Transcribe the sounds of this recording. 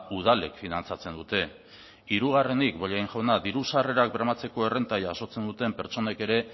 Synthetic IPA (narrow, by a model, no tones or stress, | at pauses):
uð̞ale̞̰kfinant͡sat͡se̞nd̪ut̪e̞ | iɾuɣare̞nikbo̞ʎajŋʝonaðiɾusare̞ɾak̚bɾamat͡se̞ko̞e̞re̞nt̪ajaːso̞t͡se̞nd̪ut̪e̞mpe̞ɾt͡so̞ne̞ke̞ɾe̞